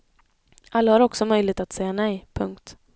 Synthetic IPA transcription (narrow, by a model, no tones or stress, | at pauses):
ʔalːahaɾɔksɔmœjlɪɡ̚t̪at̪sɛjːanɛjpʰɵŋkt̪